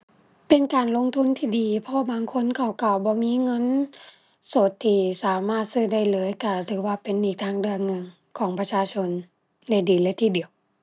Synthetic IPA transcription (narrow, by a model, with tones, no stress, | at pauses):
pe˨nkaː˨nlo˧˥˨ŋt̪ʰu˧˥˨nt̪ʰiː˧diː˨˩pʰɔ˧baː˨ŋkʰo˧˥˨nkʰa˧˩wka˧˩wbɔː˧˦miː˧˥˨ŋɤ˧˥˨n | so˧˩˦t̪ʰːiː˧˩saː˨˦maː˧˥˩t̪̚sɯː˧˨da˧˩jlɤː˨˦jka˧˩t̪ʰɯː˨˧˦waː˧pe˨nʔiː˨˩k̚t̪ʰaː˧˥ŋdɯ˧əŋŋɤ˧˨ŋ | kʰɔː˨˦ŋpa˧t͡ɕʰaː˧t͡ɕʰo˧˥n | da˧˩jdiː˨˩lɤː˧˦jt̪ʰiː˧˩di˨əw